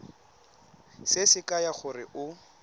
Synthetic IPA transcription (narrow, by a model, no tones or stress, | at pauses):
sɪsɪkʼajaχʊrɪʔʊ